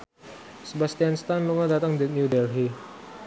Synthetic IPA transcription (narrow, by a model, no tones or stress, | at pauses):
səbast̪ianst̪anluŋadat̪əŋd̪injudɛlɦi